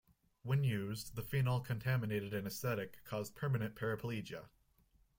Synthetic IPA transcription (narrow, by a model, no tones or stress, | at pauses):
wɨ̃njʉzðəfĩnɔlˠkʰɨ̃ntʰæmɨneɪɾɨɾɨ̃nɨsθɛɾɨkʰːɔzpʰɜ˞mɨnɨ̃npʰɛɹɨpʰəlid͡ʒɨ̰